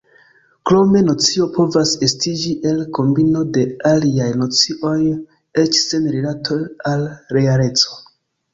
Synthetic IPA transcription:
klo̞me̞no̞t͡sio̞po̞vase̞stid͡ʒiʔe̞lko̞mbino̞de̞aliajno̞t͡siʔo̞j | e̞t͡ʃse̞nɾilatʰo̞jalɾe̞ale̞t͡so̞̥

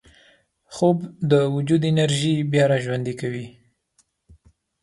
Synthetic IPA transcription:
xobd̪əwʊd͡ʒud̪ɪnaɾʒibjɑɾɑʒwand̪ikawi

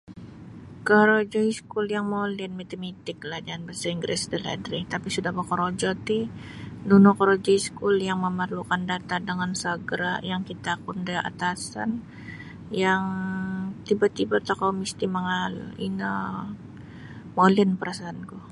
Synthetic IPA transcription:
kəɾod͡ʒɔiskʊljaŋmoliənmet̪əmit̪ɪk̚lahd͡ʒanbəsəiŋɡɾɛsdəla̰dɾɪt̪apisudahbəkoɾod͡ʒɔt̪inunʊkəɾod͡ʒɔiskuljaŋməmərlukandat̪adəŋansəɡɾa̰jaŋkit̪apʊndəa̰t̪asa̰n | jaŋ | t̪ibat̪ibat̪akawmist̪iməŋal̰ḭnə | moliənpəɾasaːnku

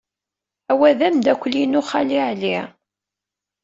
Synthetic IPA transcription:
æwæðæmd̪ækʷːlinʊχaliʕli

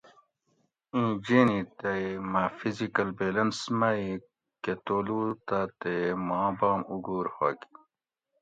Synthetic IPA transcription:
ĩːd͡ʑeːnit̪eimafizikɐlbeːlɐnsmai | ket̪oːluːt̪at̪emãːbaːmuɡuːɾhoːɡi

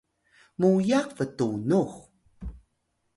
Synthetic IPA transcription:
mujaqvətunux

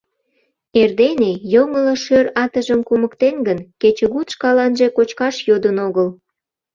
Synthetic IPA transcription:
erd̪enejoŋələʃøɾɑt̪əʒəmkuməkt̪enɡənket͡ɕəɣut̪ʃkɑlɑnʒe̽kot͡ɕkɑʃjod̪ənoɣəl

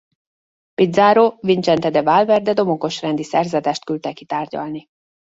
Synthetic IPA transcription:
pid̪zaːɾoːvint͡ʃɛnt̪ɛd̪ɛvaːlvɛrd̪ɛd̪o̞moko̞ʃrɛnd̪isɛrzɛd̪ɛːʃt̪kylt̪ɛkit̪aːrɟɒ̰lni

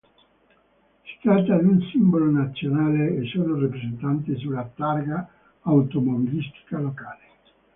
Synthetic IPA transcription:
si̥t̪ɾat̪ːad̪iunsimbolonat̪sːjonaːleːsːoːnorapɾezent̪ant̪es̬ulːat̪arɡaː | wt̪omobilist̪i̥kalokaːle

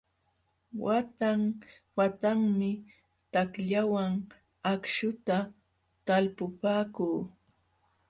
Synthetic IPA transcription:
wat̪aŋ | wat̪aŋmɪ | t̪akʎawaŋ | akʃʊt̪a | t̪alpʊpaːkuː

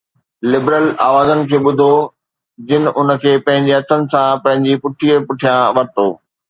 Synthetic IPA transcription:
lɪbɾəlaːʋaːzənɪ̆kʰeːɓʊd̪ʱo | d͡ʑɪnɪ̆ʔʊnə̆kʰeːpɐ̃ɦɪ̃ɲd͡ʑiɐt̪ʰənɪ̆sãpɐ̃ɦɪ̃ɲd͡ʑipʊʈʰiːəɾpʊʈʰijãʋɐɾt̪oː

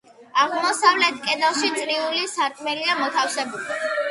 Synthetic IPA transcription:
aʁmɔsavlɛt̪ʰkʼɛd̪alˠʃit̪sʼɾiulisaɾkʼmɛliamɔt̪ʰafsɛbuli

